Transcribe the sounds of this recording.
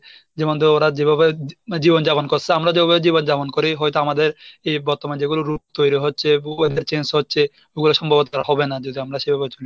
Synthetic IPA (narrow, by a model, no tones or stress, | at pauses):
d͡ʑemod̪ʱeoɾad͡ʑebʱabed͡ʑibond͡ʑabonkoɾsʰeamɾad͡ʑebʱabeed͡ʑibond͡ʑabonkoɾiɦɔjt̪oamad̪eɾejbɔɾt̪omaned͡ʑeɡuloɾuk̚t̪ojɾiɦotːɕʰebed̪eɾt͡ɕensɦotːɕʰe | oɡuloʃɔmbʱobot̪aɾaɦɔbenad͡ʑod̪iamɾaʃebʱabet͡ʃoli